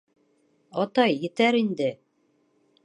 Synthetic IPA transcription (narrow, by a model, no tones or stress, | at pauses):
ɑt̪ɑjːɘ̆t̪æɾind̪ɘ